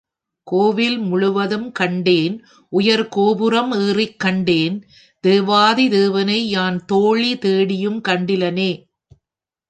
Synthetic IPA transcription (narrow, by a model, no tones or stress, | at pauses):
koːʋɪlmʊɭʊʋɐðɯmkɐɳɖeːn | ʔʊjɐɾkoːbɯɾɐmeːrɪkːɐɳɖeːn | d̪̥eːʋaːðid̪eːʋɐnɐɪnaːnt̪oːɭit̪eːɽɪjɯmkɐɳɖɪlɐneː